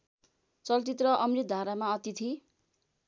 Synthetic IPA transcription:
t͡sʌlt͡sit̪rʌʔʌmrid̪ʱaɾamaʌt̪it̪ʰi

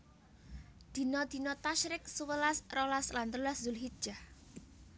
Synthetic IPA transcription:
d̪̥i̤nɔd̪̥i̤nɔt̪aʃɾɪk̚suwəlasrɔlaslant̪ɾulaszʊlɦi̥ʒ̥ah

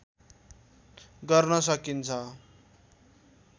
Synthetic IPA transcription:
ɡʌrnʌsʌkint͡sʰʌ

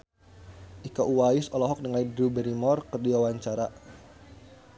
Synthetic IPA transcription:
ʔikaʔuwaɪsɔlɔɦɔk̚dəŋaidɾubɛɾimɔrkərdiawaɲt͡ʃaɾa

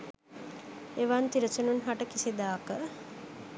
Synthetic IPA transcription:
eʋant̪iɾɐsununɦaʈəkisid̪aːkə

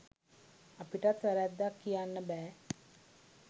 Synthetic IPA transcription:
apiʈat̪ʋæɾæd̪ːakːijanːəbæː

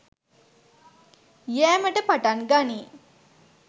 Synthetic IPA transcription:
ijæːməʈəpaʈanɡaniː

